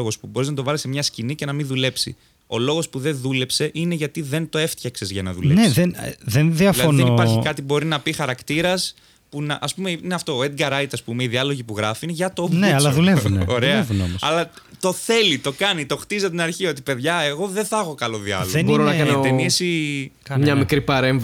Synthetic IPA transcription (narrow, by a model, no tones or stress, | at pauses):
oɣo̞spubo̞ɾiznɐt̪̬o̞vɐlisemɲɐscinice̞nɐminðule̞psḭ | o̞lo̞ɣo̞spuðe̞nðule̞pse̞ʔine̞ʝɐt̪iðe̞nt̪o̞e̞ft̪çɐksezʝɐnɐ̰ðulenesðenðenðiɐflɐðonðẽipɐɾçikɐt̪ibo̞ɾinɐpixɐɾɐkt̪iɾɐs | punɐʔɐspume̞ineɐft̪o̞ːed̪ɡɐɾɐjt̪ɐspume̞iðiɐlo̞ʝipuɣɾɐfiinʝɐt̪ovneɐlɐðulevuneoɾeɐevunomosɐ̰lɐ | t̪o̞θe̞lit̪o̞kɐnit̪o̞xt̪izɐt̪inɐɾçio̞t̪ipe̞ðʝɐe̞ɣo̞ðeθɐxo̞kɐlo̞ðiɐ̰lonboɾonɐkɐnt̪enisimɲɐmikɾipɐɾeɱv